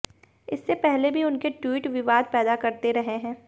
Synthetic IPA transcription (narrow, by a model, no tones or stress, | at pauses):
ɪsːepɛɦlebʱiʊnkeʈwiːʈʋɪʋaːd̪̚pɛːd̪akɐɾt̪eɾɐɦeɦɛ̃ː